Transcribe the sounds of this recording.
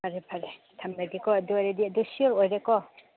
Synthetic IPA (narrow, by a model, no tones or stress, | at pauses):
pʰaɾɛpʰaɾɛ | tʰamadikɔduaɾedidusiɔɾɔjɾɛkɔ